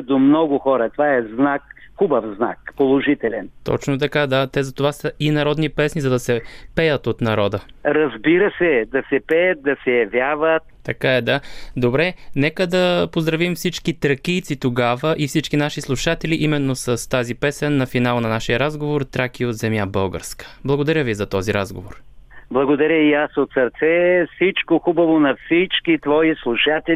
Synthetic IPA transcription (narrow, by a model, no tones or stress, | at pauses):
d̪omnɔɡʊxɔɾɐt̪ovaɛznakxubəfzna̰kpolˠoʒit̪ɛlɛnt̪ɔ̰t͡ʃnot̪ɐkad̪at̪ɛzɐt̪ovasəinɐɾɔd̪nipɛsnizɐd̪ɐsɛpɛjət̪ot̪nɐɾɔd̪əɾɐzbiɾəsɛd̪ɐsɛpɛjət̪̚d̪ɐsɛjɐvʲjavət̪̚t̪ɐkaɛd̪ad̪obɾɛnɛkəd̪ɐpozd̪ɾɐvimfsit͡ʃkit̪ɾɐkijt̪sit̪oɡavəʔifsit͡ʃkinaʃislˠuʃat̪ɛlʲiʔimɛnːosəst̪azipɛsɛnːɐfinalˠnɐnaʃijəɾazɡovoɾt̪ɾak̟iot̪zɛmjabɤlˠɡə̰ɾskə̥blˠɐɡod̪ɐɾʲjəvizɐt̪ɔziɾa̰zɡo̰voɾblˠɐɡod̪ɐɾʲjəiasot̪sɐɾt̪sɛfsit͡ʃkoxubɐvonɐfsit͡ʃkit̪vɔislˠuʃat̪ɛ